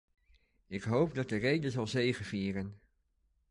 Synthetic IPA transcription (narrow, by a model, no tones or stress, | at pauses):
ɪkɦowp̚dɑt̚dərejdəzɑlˠzejχəviːrən